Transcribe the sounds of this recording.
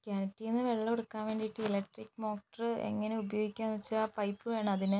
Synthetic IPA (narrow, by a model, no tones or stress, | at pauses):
kaːnɐtːiːnːɨʋe̞ɭːɐoɽukːaːmʋeːɳɖiiʈːɨilekʈrikːɨmo̞ːkʈɐrɨḛŋːɐne̞ubɐjoːɡikʲːaːnʋɐt͡ɕːɨaːpɐjpːɨʋe̞ːɳɨɐðinɨ